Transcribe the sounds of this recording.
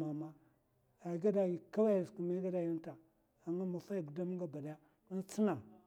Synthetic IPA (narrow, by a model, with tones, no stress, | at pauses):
ma˨ma˦ | a˨i˨ɡa˦da˨ji˨ka˦wa˦ja˨sku˨ma˦ɡa˦da˨ji˦nta˨ | a˨ŋa˦ma˨fa˦ji˨ɡu˨da˦mi˦ɡa˦ba˨da˨ja˦ | ni˦nt͡si˦na˨ŋ